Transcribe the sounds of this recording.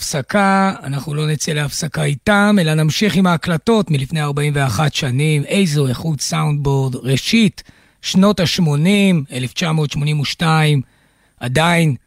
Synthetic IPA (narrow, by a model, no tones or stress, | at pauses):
fsakaa̰naχnulo̞net͡seleafsakaitame̞lanamʃiχimaːklato̞tmilifneaʁbaimveaχatʃanime̞jzoeχutsawnd̪̚bo̞ʁdʁe̞ʃit | ʃnotaʃmo̞nime̞left͡ʃamo̞ːt̪ʃmo̞nimuʃtaim | adain